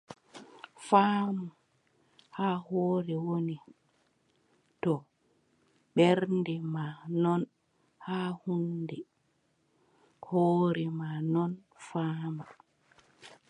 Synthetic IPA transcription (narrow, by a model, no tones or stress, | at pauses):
faːma | haːhoːɾɛwoni | tɔ | ɓɛɾndɛmanɔn | hahundɛ | hoːɾɛmanɔn | faːma